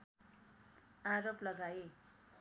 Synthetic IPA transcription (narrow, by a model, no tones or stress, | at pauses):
aɾoplʌɡae